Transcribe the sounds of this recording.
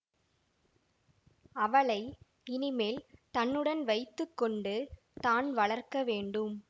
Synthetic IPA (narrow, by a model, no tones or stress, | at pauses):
ɐʋɐɭɐɪ | ɪnɪmeːlt̪ɐnːɯɽɐnʋɐɪt̪ːɯkːɔɳɖɯ | t̪aːnʋɐɭɐɾkɐʋeːɳɖɯm